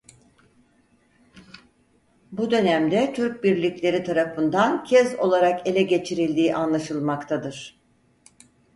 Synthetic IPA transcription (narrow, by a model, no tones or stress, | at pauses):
bud̪ø̞næmd̪ɛt̪ʰyɾc̚biɾlʲicʲlʲe̞ɾit̪ʰaɾafɯnd̪ancʰɛzo̞lˠaɾake̞lʲɛɟe̞t͡ʃʰiɾilʲd̪iːʔanlˠaʃɯlˠmakt̪ʰad̪ɯɾ̥